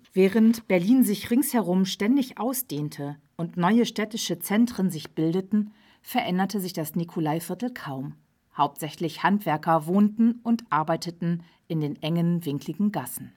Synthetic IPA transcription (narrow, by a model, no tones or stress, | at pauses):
v̥ɛːʁəntb̥ɛɐliːnzɪçʁɪŋshɛʁʊmʃtɛndɪçʔaʊsd̥eːntʰə | ʊntnɔʏəʃtɛtɪʃət͡sɛntʁ̥ənzɪçb̥ɪldətn̩ | fɛɐʔɛndɐtəzɪçd̥asnikʰolaɪfɪɐtl̩kʰaʊm | haʊp̚tz̥ɛçlɪçhantv̥ɛɐkɐvoːntn̩ʊntʔaɐbaɪtətn̩ | ʔɪndeːnʔɛŋənvɪŋklɪɡŋ̩ɡasn̩